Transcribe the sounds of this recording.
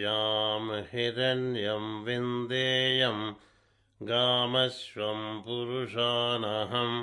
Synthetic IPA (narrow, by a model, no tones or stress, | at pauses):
aːmhiɾɐnjɐmʋind̪eːjɐm | ɡaːmɐsʋɐmpuɾuʂaːnɐɦɐm